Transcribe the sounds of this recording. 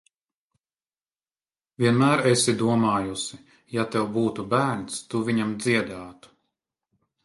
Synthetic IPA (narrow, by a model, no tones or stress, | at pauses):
vʲiɛnmæːɾesid̪uɔmaːjusi | jat̪ɛwbuːt̪ubæːɾnst̪uvʲiɲamd̪ziɛd̪aːt̪u̥